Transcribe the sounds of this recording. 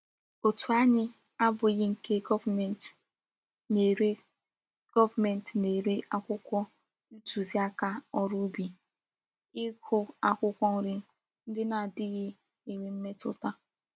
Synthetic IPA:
o˨tu˨a˦ɲɪ˦ | a˦bʊ˨ɣɪ˦ŋ̩˨ke˦ɡɔ˦˨t | ne˨ɾ | ɡ̥ɔ˦va˨mɛ˨n˨tne˨ɾe˦ʔa˦˨kʷʊ˦kʷɔ˦ | u˦tu˨zi˦a˦ka˦ɔ˨ɾʊ˦bi˨ | ɪ˦kʰʊ˨a˨kʷʊ˦kʷɔ˦ɾɪ˦ | n̩˦dɪ˦na˨dɪ˦ɣɪ˦ | e˨ɾe˨m̩˦me˦tʊ̰˦ta˦

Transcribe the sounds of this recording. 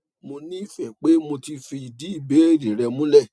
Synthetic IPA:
mo˧nĩ˦i˦˨fɛ˨k͡pe˦mo˧ti˧fi˧i˨di˨˦i˦˨be˨˦e˦˨dĩ˨ɾɛ˧mũ˦lɛ˦˨

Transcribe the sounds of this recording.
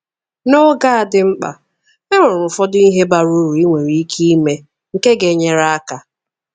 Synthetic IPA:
no˦ɡa˦a˨dɪ˦ŋ͡m̩˦k͡pa̰˨ | e˦ŋʷo˨ɾʊ˨fɔ˦dʊ˦i˦ɦe˦ba˨ɾu˦ɾu˨i˦ŋʷe˨ɾi˨i˦kʰi˦i˦me˦ | ŋ̩˨ke˦ɡe˨ɲe˦ɾa˦a˦ka˨

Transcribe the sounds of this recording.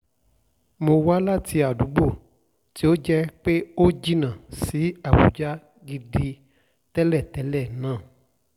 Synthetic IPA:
mo˧wa˦la˦ti˧a˨du˨˦ɡ͡bo˦˨ | ti˨˦o˦d͡ʒɛ˦k͡pe˦o˦d͡ʒi˦nã˨si˨˦a˦˨bṵ˨˦d͡ʒa˦ | ɡi˧di˧ | tɛ˦lɛ˦˨tɛ˨˦lɛ˦˨nãː˨˦˨

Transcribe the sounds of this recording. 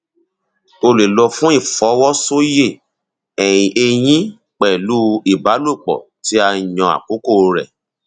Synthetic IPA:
o˧le˨lɔ˧fũ˦i˦˨fɔ˨˦wɔ˦so˦je˦˨ | ɛ˨j̃ĩ˨ʔe˧j̃ĩ˦ | k͡pɛ˨lu˦i˨ba˨˦lu˦˨k͡pɔ̰˨ti˨˦a˧i˨jɔ̃˧a̰˨ko˨˦ko˦˨˧ɾɛ̰˨

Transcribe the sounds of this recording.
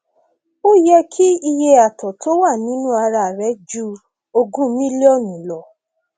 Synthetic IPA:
o˦jɛ˧kʰi˦i˧je˧a˨tɔ˨to˦wa˦˨nĩ˨˦nũ˦a˧ɾa˧˨ɾɛ˨˦d͡ʒu˦ | o˧ɡũ˦mĩ˦li˦o˦˨nĩ˨lɔ˨

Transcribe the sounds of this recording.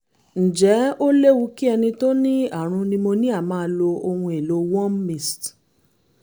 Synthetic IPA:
n̩˨d͡ʒɛ˨˦o˦le˦wu˧ki˦ɛ˧nĩ˧to˦nĩ˦a˦˨ɾ̃ũ˧nĩ˧mo˧nĩ˦a˦˨mãː˨˧˦lo˧o˧hũ˧e˨lo˨˦wɔ̃˦m˦mĩ˦˨st

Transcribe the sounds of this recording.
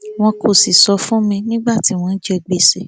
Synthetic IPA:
w̃ɔ̃˧kʰo˨si˨sɔ˧fũ˦mĩ˧nĩ˦ɡ͡ba˦˨ti˨˦w̃ɔ̃˧n̩˦d͡ʒɛ˧ɡ͡be˦˨se˨

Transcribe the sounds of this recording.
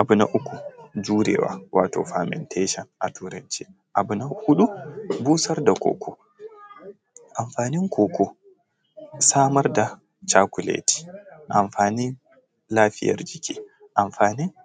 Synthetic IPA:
ʔa˨bunaʔu˦kːu˨d͡ʒuː˦ɾɛ̰wa̰wʔaː˦tɔ̰˨famɛ̰ntʰɛʃɔ˨nʔatʰuː˦ɾɐnt͡ʃi˦ | ʔabunahu˦ɗu˦buː˦sɐ˦ɾdakɔ̰ːkʰɔ˨ | ʔa˨mfaːni˦ŋkʰɔ˨kʰɔ˨ | saː˦mɐ˦ɾda˨ | t͡ʃaː˦ku˨lḛti̥˨ʔa˨mfaː˨ni˦n | laː˦ɸɪ˦ja̰ɾd͡ʒikʰʲḭː˦ | ʔamfaː˨ni˦n

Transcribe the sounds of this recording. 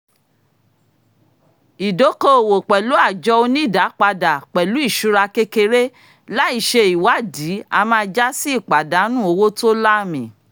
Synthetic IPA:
i˨do˨˦ko˦o˨wo˨k͡pɛ˨lu˨˦a˦˨d͡ʒɔ˧o˧nĩ˦˨da˨˦k͡pa˧da˨k͡pɛ˨lu˨˦i˦˨ʃu˦ɾa˧ke˧ke˧ɾe˦ | la˦i˦˨ʃe˧i˨wa˨˦˨di˨˦a˧mãː˦˧d͡ʒa˦si˦i˦˨k͡pa˨da˨˦nũ˦o˧wo˦to˦la˦˨mĩ˨

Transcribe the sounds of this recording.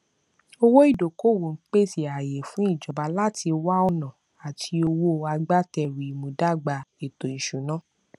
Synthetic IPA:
o˧wo˦i˦˨do˨ko˦˨wo˨n̩˦k͡pe˦si˦˨a˨je˨fũ˨˦i˦˨d͡ʒɔ˨ba˨˧la˦ti˧wa˦ɔ˧nã˨ | a˨tʰi˧o˧wo˦a˧ɡ͡ba˦tɛ˧ɾi˨mũ˨da˦˨ɡ͡ba˧e˨to˨ĩ˨ʃũ˨˦nã˨˦

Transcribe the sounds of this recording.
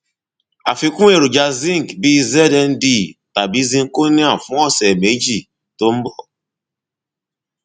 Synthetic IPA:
a˨fi˦kʷu˦e˨ɾu˨d͡ʒa˨zi˦ŋ˨kbi˦ze˦de˦n̩˦di˦˨ta˨bi˦zi˦ŋ̩˦ko˦ni˦a˦˨fʊ̃˦ɔ˦se˨me˨˦d͡ʒi˨ | to˦m̩˦bɔ˨

